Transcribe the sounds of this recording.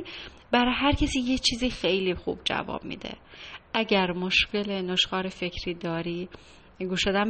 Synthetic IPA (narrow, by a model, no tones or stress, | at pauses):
bæɾɒɦæɾcʰesiːjet͡ʃʰiːziːxejliːxṵːb̥̚d͡ʒæ̰vɒ̰ːb̥mḭːd̪ḛʔæɟæɾmoʃcʰe̞lenoʃxɒːɾefe̞cʰɾiːd̪ɒːɾiː | ɡuːʃod̪æm